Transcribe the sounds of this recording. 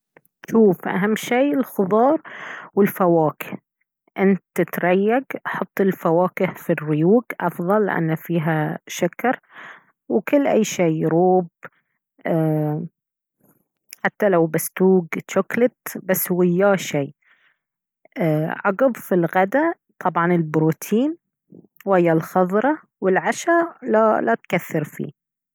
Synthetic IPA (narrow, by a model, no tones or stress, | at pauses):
ʃuːfʔa̰ɦamːʃiːɪlxʊðˤɑːɾˤwɪlfawaːkɪ̥h | ʔɪnt̪ːɪt̪ɾˤɑjːaɡʔɑħʊt̪ˤːɪlfawaːkɪhfirɪjuːɡʔɑfðˤɑlːɪ̰ʔa̰nːafiːɦaʃakɑɾˤ | wkʊlːʔa̰jːʃeːɾuːb | ʔa | ħat̪ːalawbast̪uːɡʃʊklɪt̪basːwɪjːaːʃeː | ʔaʕɑɡʊbfilɣad̪a | t̪ˤʰɑbʕɑnɪlbɾuːt̪ʰiːn | wjːalxɑðˤɾˤɑ | wɪlʕaʃalalat̪kaθːɪɾfḭː